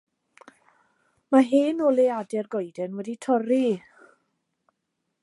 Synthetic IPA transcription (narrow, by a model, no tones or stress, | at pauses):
maɦeːnolˠeadɛrɡɔjdɛnwɛditʰɔri